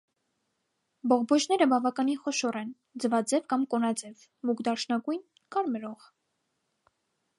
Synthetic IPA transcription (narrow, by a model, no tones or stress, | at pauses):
bɔʁbɔt͡ʃn̪ɛɾəbɑvɑkɑniχɔʃɔrɛn | d͡zəvɑd͡zɛvkɑmkɔnɑd͡zɛv | mukd̪ɑrʃnɑɡujn | kɑɾmɛɾɔʁ